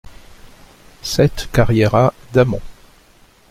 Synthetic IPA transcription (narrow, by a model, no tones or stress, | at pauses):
sɛt̪kaʁjɛʁad̪amɑ̰̃